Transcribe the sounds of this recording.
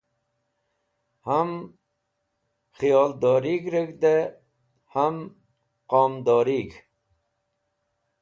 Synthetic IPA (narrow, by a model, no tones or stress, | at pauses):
ham | χijɔːld̪ɔɾiɡɾəɡd̪e | ham | qɔmd̪ɔɾik